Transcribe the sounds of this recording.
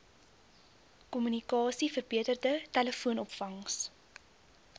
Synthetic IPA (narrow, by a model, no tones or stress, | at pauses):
kɔmynikɑːsifərbiətərdətæləfuənɔpfɐŋs